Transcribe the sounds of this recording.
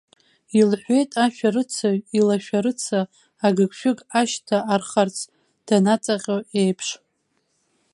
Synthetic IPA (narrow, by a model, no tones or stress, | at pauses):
ilħʷe̞jtʼaʃᶣaɾɨt͡sʰailaʃᶣaɾɨt͡sʰaː | ɡɨkʷʼʰʃᶣʊɡʼaʃtʰaarχart͡sʰ | d̥anat͡sʼaqʲoejpʰʂ